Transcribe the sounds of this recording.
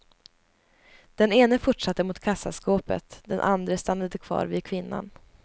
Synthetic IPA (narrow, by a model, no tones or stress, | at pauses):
d̪̥ɛneːnəfʊʈʂat̪ːəmʊt̪kʰasːaskoːpə̰t̪d̪ɛnʔand̪ɾəst̪anːad̪əkʰv̥ɑ̰ːɾvɪkʰvɪnːa̰n